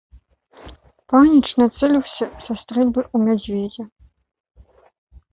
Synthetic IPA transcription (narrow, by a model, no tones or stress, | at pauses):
panʲit͡ʂnɐt̪sɛlʲiwsʲɐsɐst̪ɾɛlʲbɨʔumʲɛd͡zʲvʲed͡zʲɛ